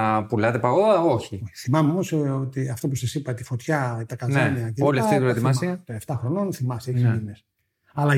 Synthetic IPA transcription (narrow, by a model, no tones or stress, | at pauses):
pulɐt̪epɐɣoɐoçiθimɐmeo̞mo̞sot̪iɐft̪opusɐsipɐt̪ifo̞t̪çɐt̪ɐkɐnzɐniɐceloliɐft̪iuɾet̪imɐsiɐt̪oeft̪ɐxɾo̞no̞nθimɐseçmines | ɐlɐ